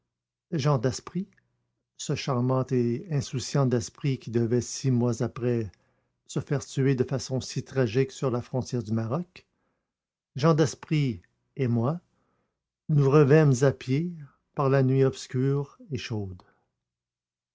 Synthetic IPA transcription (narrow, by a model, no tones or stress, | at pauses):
ʒɑ̃d̪ɛspʁi | səʃaʁmɑ̃t̪eɛ̃susjɑ̃td̪ɛspʁikʲid̪əvɛsimwazapʁɛ | səfɛːʁt̪yed̪əfasɔ̃sit̪ʁaʒɪksyʁlafʁɔ̃t̪jɛːʁd̪ymaʁɔk | ʒɑ̃d̪ɛspʁi | emwa | nuʁəvɛmzapje | paʁlanɥiɔpskʲyːʁeʃoːd̪